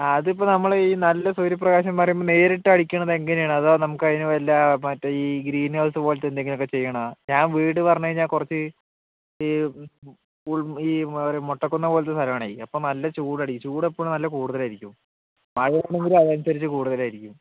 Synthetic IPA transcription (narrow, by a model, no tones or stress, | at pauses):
ɐðipːonɐmːɐɭiːnɐlːɐsuɾjip̬rɐɣaːɕɐmːaːrijipːone̞ːɾiʈːɨɐɽikʲːuɳːɐðe̞ŋɡɐnjaːɳɨɐðonɐmukːɐðinuelːamɐtːeiːɡɾiːnɐwsɨpoːlɐt̪end̪e̞ŋɡilokːet͡ɕe̞jːɐɳɐɲaːnʋiːʈːɨpɐrɐɲːɐjiɲaːnkurɐt͡ɕːɨ | i | uɭiːɐɾemoʈːɐkːonːɐpo̞ːlɐt̪̬ːest̪ʰɐlɐmɐɳaːjiɐpːoːnɐlːɐt͡ɕuːɽɐɽikːt͡ɕuːɽepːoɭnɐlːɐkuːɽuðɐlaːjiɾikʲːum | mɐɻɐɐɳːeŋɡilumɐðɐmsɐɾit͡ɕːɨkuːɽuðɐlaːjiɾikʲːum